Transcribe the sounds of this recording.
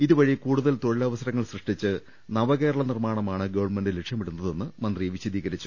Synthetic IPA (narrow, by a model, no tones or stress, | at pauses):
iðuʋɐɻijɐkuːɽuðɐlt̪o̞ɻilɐʋɐsɐɾɐŋːɐɭsrɨʂʈit͡ɕːɨ | nɐʋɐɣe̞ːɾɐɭɐnirmaːɳɐmaːɳɨɡɐʋɐrɳmeɳɖilekʂjɐmiɽunːɐðe̞nːɨmɐnd̪rieʋiɕid̪iːɣɐɾit͡ɕːu